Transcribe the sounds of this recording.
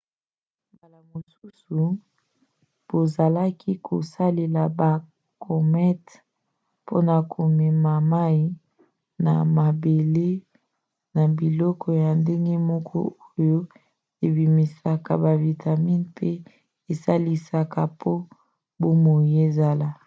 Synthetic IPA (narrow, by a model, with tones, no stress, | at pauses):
mba˨la˨mo˨su˦su˨ | b̥o˨za˨la˦kʰi˦kʰo̰˨sa˦le˨la˨ba˨ | kɔ˨mɛ˦t | po̰˦na˨kʰo˨mɛ˨ma˨ma˦i˦ | na̰˨ma˨be˨le˦ | na˨bi˨lɔ˦kʰɔ˨ja˨nde˦ŋɡe˦mɔ˦kʰɔ̰˦o˦jo˦ | e˨bi˨mi˨sa˨ka˨ba˨vi˨tʰa˨mi˦npʰe˦ | e˨sa˦li˦sa˨ka˨pʰo˦ | bo˦mo˨je˦za˦la˨